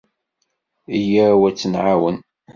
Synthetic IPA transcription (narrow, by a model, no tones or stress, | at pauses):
ijæwæt͡sːənʕawən